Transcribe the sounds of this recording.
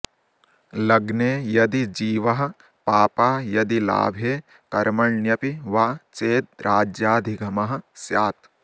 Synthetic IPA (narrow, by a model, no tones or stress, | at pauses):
lɐɡneːjɐd̪id͡ʒiːʋɐɦɐ̆ | paːpaːjɐd̪ila̰ːbʱeː | kɐɾmɐɭnjɐpiʋaːt͡ʃeːd̪̚ɾʔaːd͡ʒjaːd̪ʱiɡʱɐmɐɦɐ̆sjaːt̪